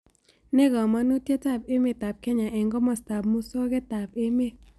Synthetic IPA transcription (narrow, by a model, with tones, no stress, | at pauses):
nɛ˦ɡɔ˨ma˦nu˦tje˦ta˦˨pe˦me˨ta˨p̚kɛ˦ɲa˨ʔɛ˨ŋɡɔ˦mɔ˨sta˨p̚mu˦so˦ke˦ta˨pe˦me˦